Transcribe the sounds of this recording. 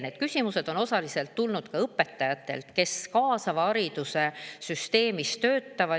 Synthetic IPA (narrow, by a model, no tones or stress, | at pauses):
ned̪̥̚kysʲimuse̞d̪̥o̞no̞sɑlise̞lt̪ːulnud̪̥kɑɤpːˑe̞t̪ˑːɑjɑt̪ːˑe̞̰lt̪ke̞skɑːsɑvɑɑɾid̪use̞syst̪e̞ːmist̪ø̞ːt̪ːɑvɑ